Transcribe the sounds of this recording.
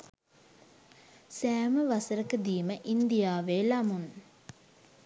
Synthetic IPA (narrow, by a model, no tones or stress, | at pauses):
sæːməʋasəɾəkəd̪iːməʔind̪ijaːʋeːlamun